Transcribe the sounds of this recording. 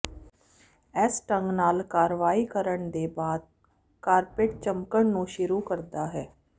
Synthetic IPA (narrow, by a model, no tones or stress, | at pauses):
ɛːsʈə̃ŋɡnaːlkaːɾʋaːiːkəɾəɳd̪eːbaːd̪̚ | kaːɾpeːʈt͡ʃəmkəɳnũːʃʊɾuːkəɾd̪aːɦɛː